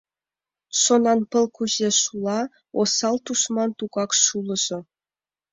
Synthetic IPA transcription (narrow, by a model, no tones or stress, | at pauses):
ʃonɑnpɤ̆lˠkuʑeʃulˠɑ | osɑlˠt̪usmɑnt̪uɡɑkʃulˠɤ̆ʒ̥ɤ̆